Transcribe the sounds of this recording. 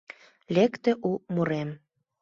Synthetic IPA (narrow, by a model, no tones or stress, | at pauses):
lekt̪ĕʔumuɾem